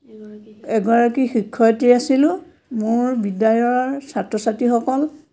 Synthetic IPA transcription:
ɛɡɔɹakixikʰːɔjtiasilʊ̃ | mʊɹbidajɔɹsatɹɔsatixɔkɔl

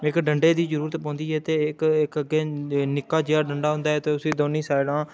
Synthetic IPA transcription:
ɪkɖəɳɖeːd̪iːd͡ʒəɾuːɾət̪pɔ̃ːnd̪iːɦɛːt̪eːɪkɪkəɡeːnɪkːaːd͡ʒeːaːɖəɳɖaːɦʊ̃nd̪aːɦɛːt̪eːʊsĩːd̪oːnĩːsaːɪlãː

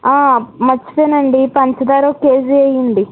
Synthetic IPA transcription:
aːmɐt͡ʃːi̥t̪eːnɐɳɖipɐɲt͡ʃɐd̪aːɾoːkeːd͡ʒiɐjɐɳɖi

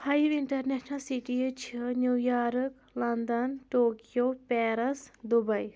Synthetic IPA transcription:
hʰɐjiʋiɳʈɐɾnɛʃnɐlsiʈijɨt͡ʃʰinjujaːɾɨk | lɐnd̪ɐnʈoːkijopɛːɾɐsd̪ubɐj

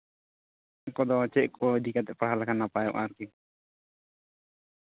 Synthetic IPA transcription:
kɔd̪ɔt͡ʃɛʔkʰɔd̪ikat̪ɛʔpərɦalakanːapajɔ̰ʔaɾki

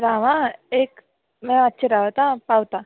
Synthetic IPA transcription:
ɾaːʋãeːk | mɛ̃ətːʃʰeɾaːʋat̪ãpaːwt̪a

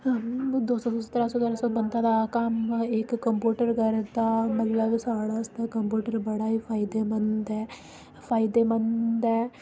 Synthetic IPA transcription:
d̪oːsɔːsɔsə̥t̪ːɾaːsɔːt̪əɾasɔbənd̪aːd̪aːkəmɪkːəmpjuːʈəɾkəɾd̪aːmət̪ləbsaːɽaːst̪aːkəmpjuːʈəɾbəɽaːiːpʰaːɪd̪eːmənd̪ɛː | pʰaːɪd̪eːmənd̪ɛː

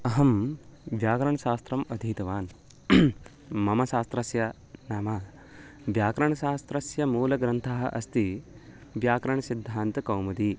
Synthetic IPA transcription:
ɐɦɐmʋjaːkɾɐɳɐʃaːst̪ɾɐmɐd̪ʱiːt̪ɐʋaːn | mɐmɐʃaːst̪ɾɐsjɐ | naːmɐː | ʋjaːkɾɐɳɐʃaːst̪ɾɐsjɐmuːlɐɡɾɐnt̪ʰaɦɐʔɐst̪i | ʋjaːkɾɐɳɐsid̪ʱːaːnt̪ɐkɐwmɐd̪i

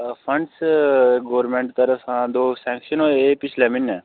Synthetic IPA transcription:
fʰə̃ɳɖsɡoːʋɾɾmẽːɳʈt̪əɾəfɦãːd̪oːsɛ̃ːŋkʃənoeːpɪt͡ʃʰlɛːmɪnːɛː

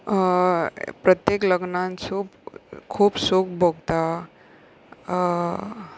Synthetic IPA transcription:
pɾət̪jekləɡnãnsuːpkʰuːbsukbʱoɡt̪a

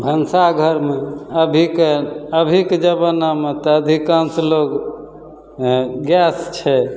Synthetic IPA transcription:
bʱənsaɡʱəɾmeəbʱikeəbʱiked͡ʒəbənːamet̪ɔəd̪ʱikãnslok | ɡɛst͡ʃʰɛ

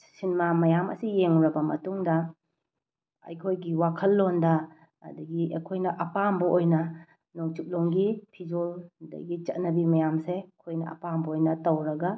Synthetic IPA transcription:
sinmamɐjamɐ̰sijeŋɾɐbɐmɐ̰tuŋdɐ | ɐ̰jkʰojɡiwakʰɐlːondɐ̰ː | dɐɡiɐ̰kʰojnɐʔɐpambɐʔojnɐ | noŋt͡ʃuk̚loŋɡipʰid͡ʒoldɐ̰ɡit͡ʃɐt̚nɐbimɐjamsekʰojnɐɐ̰pambɐojnɐtɐwɾɐɡɐ

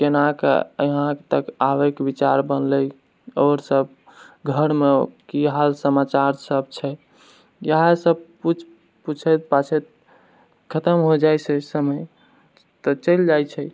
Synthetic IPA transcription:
kenakḛəɦãkt̪əkawekbit͡ʃaɾbənləj | ɔɾsəb | ɡʱəɾmekiɦalsəmat͡ʃaɾsəb̚t͡ʃʰɛ | jəɦãsəb̚put͡ʃʰ | put͡ʃʰɛt̪̚pat͡ʃʰɛt̪̚ | kʰət̪əmɦod͡ʒajt͡ʃʰɛsəməj | t̪ɔt͡ʃəld͡ʒajt͡ʃʰɛ

